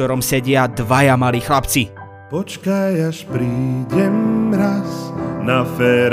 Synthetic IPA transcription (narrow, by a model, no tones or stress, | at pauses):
ɔɾɔmsɛɟɪad̪ʋajamaliːxlapt͡si | pɔt͡ʃkajaʃpɾiːɟɛmɾasnafɛːɾ